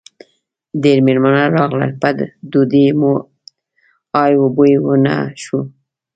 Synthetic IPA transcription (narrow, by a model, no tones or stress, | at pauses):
d̪eɾmeɾmanaɾɑɣlə̰lpad̪d̪ud̪imo | ɑjwobojwəna̰ʃu